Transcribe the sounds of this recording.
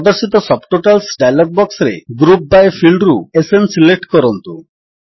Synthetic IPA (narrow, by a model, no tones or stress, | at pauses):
ɔd̪oɾsit̪ɔsɔbʈoʈalsɖajlɔɡ̚bɔksɾḛɡɾup̚bajfʰilɖɾuesensileʈkɔɾɔnt̪u